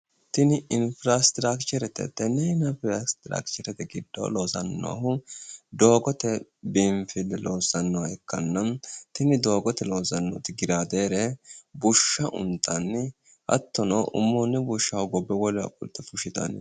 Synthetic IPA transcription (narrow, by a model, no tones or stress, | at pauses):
t̪ɪnɪɪnfɾast̪ɾakt͡ʃɛɾɛt̪ɛ̰t̪ːɛnɛɪnɐfɾast̪ɾa̰kt͡ʃɛɾɛt̪ɛɡɪd̪ːɐ̰w̰lo̞ːzɐnːɔ̰a̰hʊd̪o̞ːɡɔt̪ɛbɪmfɪlːɛlʔoːsɐnːɔaɛkːɐnːɐmt̪ɪnɪd̪o̞ːɡɔt̪ɛlo̞ːzɐnːo̰t̪ɪɡɪɾaːd̪eːɾɛbʊʃːɐʔʊ̰nt̪ʰːɐnː | ʔɐ̰t̪ːɔnɐʔʊ̰mːoːnːɛbʊʃːɐwʊɡɔbːɛwɔlɪɐ̰kʼʊ̰lt̪ːɛfʊʃɪt̪ɐ̰n̰